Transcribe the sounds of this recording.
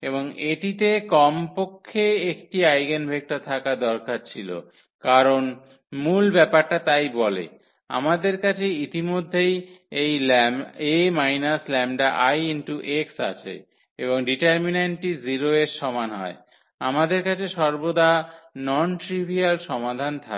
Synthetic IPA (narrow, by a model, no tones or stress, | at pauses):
eβoŋeʈit̪ekɔmpokʰːeekʈiajɡenbʱek̚ʈat̪ʰakad̪ɔɾkaɾt͡ɕʰilo̰ | kaɾon | mulbɛpaɾʈat̪ajbɔlḛ | a̰mad̪eɾkat͡ɕʰeit̪imod̪ʱːejejlɛmemajnaslɛmɖaʔajinʈuʔeksa̰t͡ɕʰḛ | eboŋɖiʈaɾmineɳʈiziɾoeɾʃɔmanɦɔ̰e | amad̪eɾkat͡ɕʰeʃɔɾbod̪anɔnʈɾibʱialʃɔmad̪ʱant̪ʰa